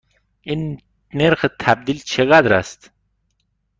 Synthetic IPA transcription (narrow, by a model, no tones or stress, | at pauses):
in | neɾxət̪ʰæb̚d̪ilt͡ʃʰeɣad̪ɾa̰st̪